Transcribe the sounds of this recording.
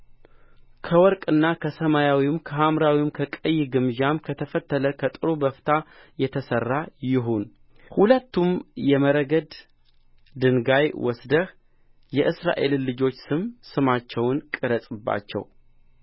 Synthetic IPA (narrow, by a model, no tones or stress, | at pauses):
kʰəwɔɾkʼɨnːakʰəsəmajawimkʰəɦamɾawimkʰəkʼəjːɪɡɨmʒamkʰət̪ʰəfət̪ːələkʰət̪ʼɨɾubəft̪ʰa | jɛt̪ʰəsərːajɪɦun | hulət̪ːumjɛməɾəɡəd̪ | d̪ɨnɡajwʔɔsd̪əh | jɛʔɨsɾa̰ʔe̞̰llɨd͡ʒo̞t͡ʃːsɨmsɨmat͡ʃːɛwnkʼɨɾəsʼɨbːa̰t͡ʃːɛ̰w